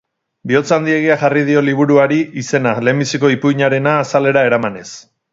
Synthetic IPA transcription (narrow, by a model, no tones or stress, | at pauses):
bio̞t͡sand̪ie̞ɣ̞iaʝarið̞io̞liβ̞uɾuaɾiise̞nale̞mbisiko̞ipuiɲaɾe̞naːsale̞ɾae̞ɾamane̞s